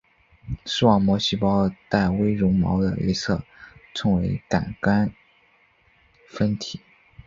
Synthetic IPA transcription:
ʂɻ̩˥˩wɑ˨˩ŋmwɔ˧˥ɕi˥˩pɑ˥ʊt̪a˥˩ɪwe˥ɪɻʊ˧˥ŋmɑ̰˧˥ʊd̪ə̰˧ḛ˥ɪt͡sʰɤ˥˩t͡sʰɤ˧˥ŋwe˧˥ɪka̰˨˩nka˥n | fə˥nt̪ʰi˨˩˦

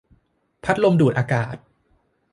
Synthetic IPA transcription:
pʰa˦˥t̪̚lo˧mduː˨˩t̪̚ʔaː˧kaː˨˩t̪̚

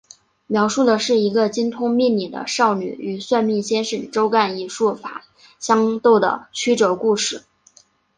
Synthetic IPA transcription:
mjɑ˧˥ʊʂu˥˩d̪ə˩ʂɻ̩˥˩i˧˥ɡə˧t͡ɕi˥nt̪ʰʊ˥ŋmi˥˩nni˨˩d̪ə̰˦ʂɑ˥˩ʊny̰˨˩˦y˨˩swa˥˧nmi˥˩nɕjɛ˥nʂə˨˩nʈ͡ʂo˥ʊka˥˧ni˧˨˩ʂu˥˩fa̰˨˩˦ | ɕjɑ˥ŋt̪o˥˩ʊd̪ə̰˩t͡ɕʰy˥ʈ͡ʂɤ˧˥ku˥˧ʂɻ̩˥˩

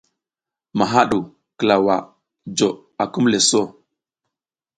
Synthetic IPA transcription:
ma˨ɦa˦ɗu˨ | kə˨la˨wa˨ | d͡ʒo˨ | a˨ku˦mle˨so˦˨

